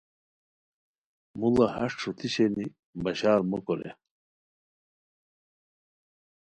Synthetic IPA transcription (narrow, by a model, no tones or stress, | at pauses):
mulɐhɐʂʈ͡ʂʰut̪ʰiɕeni | bɐɕaːɾmokoɾḛ